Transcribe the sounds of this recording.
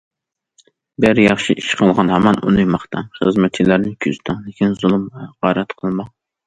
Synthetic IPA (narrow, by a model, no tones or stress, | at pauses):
bæɾjɑχʃiʔiʃqʰəlˠʁɑnhɛmɑnṵnujmɑχt̪ɑχəzmɛt̪̚t͡ʃʰilæɾnɪkʲʰyz̥t̪ʰɑŋlɪkʲʰinzulˠɨmɛʁɑɾɛt̪qʰəlˠmɑ